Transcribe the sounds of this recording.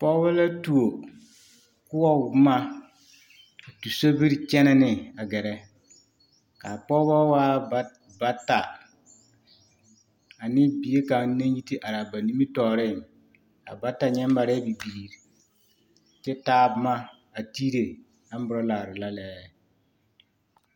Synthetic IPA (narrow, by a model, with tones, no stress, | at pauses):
pɔ˦ba˦la˦tu˨o˨ | kʊ˦ɔ˦˨bma˦˨ | tu˨so˦bi˦ɾt͡ʃɛ˦nɛ˦nɪ˨a˨ɡɛ˨ɾɛ˦ | kaː˨pɔː˦ba˦waː˦ | ba˦ta̰˨ | a˨nɪ˦bi˨je˦ka˨˦na˦ji˦ti˦ʔa˨ɾa˨ba˨ni˦mi˦tɔː˨ɾɪ˦˨ | a̰˨ba˦tːa˨ɲɛ˦m˦ba˨ɾɛ˦bi˨biː˨ɾi˨ | t͡ʃɛ˦taː˦˨bʊ˦ma˦ | a˨tiː˦ɾe˨ | a˦m˦bʊ˨ɾɔ˦laː˨ɾɪ˨la˦lɛː˨˦˨